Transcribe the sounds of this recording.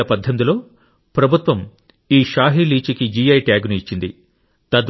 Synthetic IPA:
ɐpɐd̪ʱːɐnd̪ilo̞ː | pɾɐbʱut̪ʋɐm | iːʃaːɦiliːt͡ʃikid͡ʒijɐjʈjaːɡnuit͡ʃːind̪i | t̪ɐd̪

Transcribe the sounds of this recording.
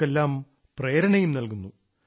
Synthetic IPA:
elːaːm | pre̞ːɾɐɳɐjumnɐlkunːu

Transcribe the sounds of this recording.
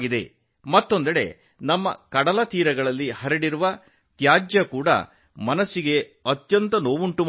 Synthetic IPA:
ɡid̪e̞ | mɐt̪ːo̞nd̪ɐɽe̞̰ | nɐmːɐ̰kɐɽɐlɐt̪iːɾɐɡɐɭɐlːihɐɾɐɽiɾuʋɐ | t̪jaːd͡ʒjɐkuːɽɐ̰ | mɐnɐsːiɡe̞ɐt̪jɐnt̪ɐno̞ːʋuɳʈum

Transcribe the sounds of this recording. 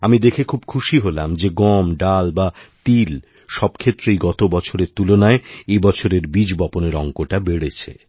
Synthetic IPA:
amid̪ekʰekʰubkʰuʃiɦolamd͡ʑeɡɔmɖalbat̪il | ʃɔbkʰet̪ːɾejɡɔt̪obɔt͡ɕʰoɾeɾt̪ulonaeebɔt͡ɕʰoɾeɾbid͡ʑbɔponeɾɔŋkoʈabeɽet͡ɕʰḛ

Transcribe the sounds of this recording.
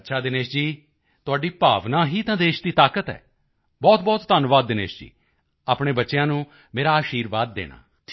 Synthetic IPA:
tːʃʰaːd̪ɪneːʃd͡ʒiː | t̪ʊaːɖiːpaːʋnãːɦiːt̪ãːd̪eːʃd̪iːt̪aːkət̪ɛ̰ː | bɔːt̪̚bɔːt̪t̪ənʋaːd̪ːɪnḛːʃd͡ʒḭː | aːpɳ̃eːbətːʃejãːnũː | meːɾaːəʃiːɾʋaːd̪ːḛːɽ̃a̰ː

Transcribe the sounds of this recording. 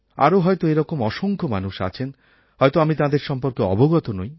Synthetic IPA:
a̰ɾoɦɔjt̪oeɾɔkomɔʃoŋkʰomanuʃa̰t͡ɕʰen | ɦɔjt̪oamit̪ad̪eɾʃɔmpoɾkeɔ̰boɡɔt̪onoj

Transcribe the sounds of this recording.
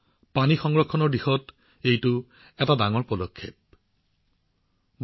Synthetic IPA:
panixɔŋɡɹɔkʰːɔnɔɹdixɔt | ejtʊ | ɛtadaŋɔɹpɔdokʰːep̚ | b

